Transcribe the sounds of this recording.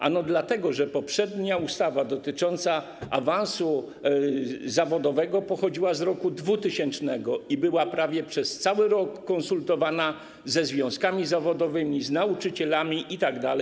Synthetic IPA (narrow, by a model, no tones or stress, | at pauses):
ʔa̰nɔd̪lat̪ɛɡɔʐɛpɔpʂɛd̪ɲaust̪avad̪ɔt̪ɘt͡ʂɔnt̪sa | a̰vãñsu | zavɔd̪ɔvɛɡɔpɔxɔd͡ʑiwazɾɔkud̪vut̪ɘɕɛnt͡ʂnɛɡɔibɘwapɾavʲjɛpʂɛst̪sawɘɾɔkːɔnsult̪ɔvana | zɛzvʲjɔ̃w̃skamʲizavɔd̪ɔvɘmʲiznaut͡ʂɘt͡ɕɛlamʲiʔit̪aɡd̪alɛjj